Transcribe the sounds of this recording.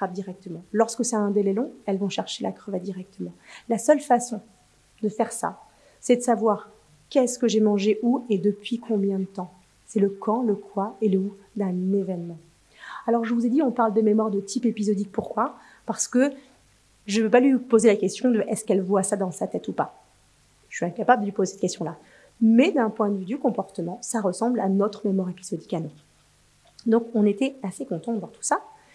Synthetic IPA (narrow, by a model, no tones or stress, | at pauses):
t̪χap̚d̪iʁɛk̚t̪əmɑ̃lɔʁskəsɛt̪ɛ̃d̪elɛlɔ̃ɛlvɔ̃ʃɛʁʃelʔa̰kχəvad̪iʁɛk̚t̪ʰəmɑ̃lasœlfasɔ̃ | d̪əfɛʁsa̰ | sɛd̪əsavwaʁ | kɛskəʒɛmɑ̃ʒeʔued̪əpɥikʰɔ̃bjɛ̃d̪ət̪ɑ̃ | sɛləkɑ̃ləkwaeləu | d̪ɛ̃nevɛnmɑ̃ | alɔʁʒəvuzed̪iɔ̃paʁld̪əmemwaʁd̪ət̪ʰipepizɔd̪ik̚puʁkwa | paʁsə̥kə | ʒəvøpalɥipozelakʲɛst̪jɔ̃d̪əʔɛskɛlvwasad̪ɑ̃sat̪ɛt̪upa | ʃɥiɛ̃kapabld̪əlɥipozesɛt̪əkʲɛst̪jɔ̃la | mɛd̪ɛ̃pwɛ̃d̪əvyd̪ykɔ̃pɔʁt̪əmɑ̃saʁəsɑ̃blanɔt̪χmemwaʁepizɔd̪ikanɔ̃ | d̪ɔ̃kɔ̃net̪ɛasekɔ̃t̪ɑ̃d̪ɑ̃t̪u̥sa